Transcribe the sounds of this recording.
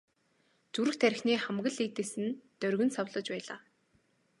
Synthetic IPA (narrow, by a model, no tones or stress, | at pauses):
t͡suɾɘ̆xt̪ʰæɾʲɪ̆xniːχamɣə̆ɮit̪eːsɘ̆nt̪œɾɣɵ̆nsɔwɮə̆t͡ɕpæːɮaː